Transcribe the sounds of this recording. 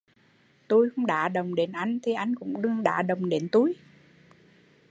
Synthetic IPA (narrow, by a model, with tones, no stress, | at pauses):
t̪u˧jxə˧˦wŋ͡mɗa̰ː˧˩ɗə˨˩wŋ͡mɗe˨˦nʔa˧jŋ̟t̪ʰi˨˩ʔa˧jŋ̟kʊ̰˧˥ŋ͡mɗɨ˧əŋɗa̰ː˧˥ɗə˨˩wŋ͡mɗe˨˦nt̪u˧j